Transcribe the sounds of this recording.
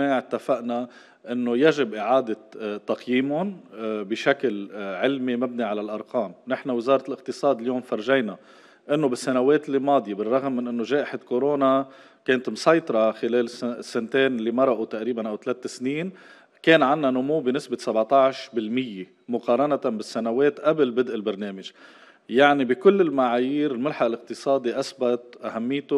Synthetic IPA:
aʕɪt̪ːafaʔna | ʔɪnːojaʒɪbʔɪʕaːd̪ɪt̪ːɑqjiːmʊnbɪʃaklʕɪlmimabniʕalalʔɑɾˤqɑːmnɪħnawɪzɑːɾˤɑt̪lʔɪq̚t̪ɨsˤɑːd̪ɪljoːmfɑɾˤʒajna | ʔɪnːobɪsːanaweːt̪ɪlːimɑːd̪ˤjebɪrˤːɑɣmːɪnʔɪnːoʒeːʔɪħakoɾoːna | keːnt̪msˤɑjt̪ˤɑɾˤɑxɪleːlsːɪnt̪eːnɪlːimɑɾˤɑʔut̪aʔɾiːbanʔawt̪aleːt̪ːɪsniːn | keːnʕanːanʊmuwːbɪnɪsbɪsabʕt̪ˤɑʕʃbɪlmɪjːe | mʊqɑːɾˤɑnat̪abɪsːanaweːt̪ʔablbɪd̪ʔɪlbɪɾneːmɪʒ | jaʕnibikʊlːɪlmaʕaːjiːɾɪlmɪlħaʔlʔɪq̚t̪ɨsˤɑːd̪iʔasbat̪ʔahamːɪjːt̪ʊ

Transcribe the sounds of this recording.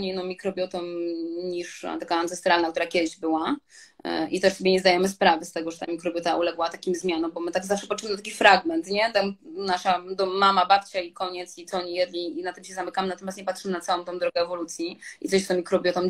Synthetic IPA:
ɲeinːɔ̃mmːʲikɾɔbʲjɔt̪ɔmɲiʂt̪akaansɛst̪ɾalnak̚t̪uɾakʲɛd̪ɪʑbɘwa | ʔit̪ɛʂsɔbʲeɲɛzd̪ajɛmɘspɾavɛst̪ɛɡɔʐɛt̪amʲikɾɔbʲjɔt̪aʔulɛɡwat̪akʲimzmʲjanɔ̃wbɔmɘt̪aɡzafʂɛpatt͡ʂːʂɘmɘd̪t̪akʲifɾaɡmɛnt̪ɲɛt̪amnaʂad̪ɔmamabapt͡ɕaikɔɲɛt̪sit̪ɔɔɲijɛd̪lʲiinat̪ɨmɕɛzamɘkamnat̪ɔmjasɲɛpatʂɘmɘnat̪sawɔ̃m̃t̪ɔ̃w̃d̪ɾɔɡɛɛvɔlut̪sʲjiit̪sɔɕt̪ɔmʲikɾɔbʲjɔt̪ɔm

